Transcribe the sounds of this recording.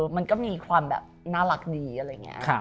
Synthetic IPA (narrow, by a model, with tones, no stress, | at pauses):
ma˧nkɔː˥˩miː˧kʰwaː˧mbɛ̰ː˨˩p̚naː˥˩la˨˩k̚diː˧ʔa˧ɾa˧ja˨˩ŋːḭ˦˥ʔkʰa˦˧